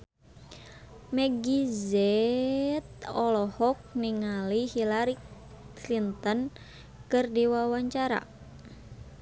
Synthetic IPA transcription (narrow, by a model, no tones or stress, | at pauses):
mɛɡizɛ | t̪̚ɔlɔhɔk̚niŋalihilaɾi | lint̪ən | kɨrdiwawaɲt͡ʃaɾa̰